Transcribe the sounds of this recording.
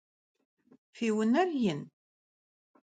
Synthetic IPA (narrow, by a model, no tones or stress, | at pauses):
fiwənæɾjən